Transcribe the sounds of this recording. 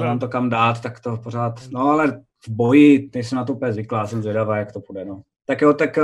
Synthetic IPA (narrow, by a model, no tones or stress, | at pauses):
ɛnaːmt̪okamdaːt̪ːakt̪opoɾaːt̪noalɛ | vbojɪnɛjsɛmnat̪oupɲɛzvɪklajaːsɛmzvjɛdavaːjak̚t̪opudɛno | t̪akjoːt̪ak